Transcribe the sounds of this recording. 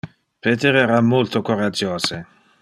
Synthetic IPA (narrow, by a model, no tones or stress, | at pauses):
pet̪eɾeɾamːolt̪okoɾad͡ʒoːse